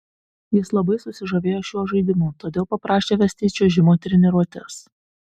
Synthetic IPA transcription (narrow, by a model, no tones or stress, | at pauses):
jɪslˠɐbɐɪsʊsʲɪʒoʋʲeːjoːʃʲuɔʒɐɪd̪ʲɪmuːt̪oːd̪ʲeːlˠpɐpɾɑːʃʲeːʋʲɛsʲt̪ʲɪːt͡ʃʲoːʒʲɪmoːt̪ʲɾʲɪnʲɪɾuɔt̪ʲɪs